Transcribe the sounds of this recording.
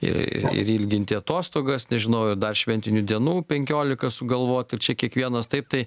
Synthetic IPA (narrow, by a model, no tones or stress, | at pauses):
ɪ̰ɾɪ̰ɪ̰ɾiːlʲɡʲɪnʲt̪ʲɪɐt̪oːst̪oːɡɐsnʲɛʒʲɪnɐʊɪrd̪ɐrʃʲʋʲɛnʲt̪ʲɪnʲud̪ʲiɛnuːpʲɛŋʲkʲoːlʲɪkɐsʊɡɐlˠʋoːt̪ɪɾt͡ʃʲɛkʲiɛkʋʲiɛnɐst̪ɐɪp̚t̪ɐɪ